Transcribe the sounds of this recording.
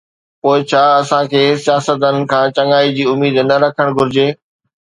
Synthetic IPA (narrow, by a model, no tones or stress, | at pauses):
poːɪt͡ɕʰaːɐsãkʰeːsijaːsət̪̬ənɪ̆kʰãːt͡ɕɐ̃ŋaːid͡ʑiːʊmiːd̪nɐɾɐkʰəɽ̃ɡʱʊɾɪd͡ʑeː